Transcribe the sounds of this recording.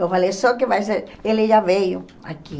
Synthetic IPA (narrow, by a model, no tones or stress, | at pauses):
ewfalejsɔk̬ɪvajseɾelɪʒavejʊ | a̰ki